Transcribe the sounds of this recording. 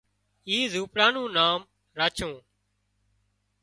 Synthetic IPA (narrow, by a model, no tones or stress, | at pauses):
iːzuːpɾãːnũːnaːm | ɾaːt͡ʃʰũː